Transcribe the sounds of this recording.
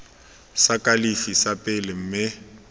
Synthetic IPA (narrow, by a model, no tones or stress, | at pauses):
sakʼalifisapʼɪlɪm̩mɪ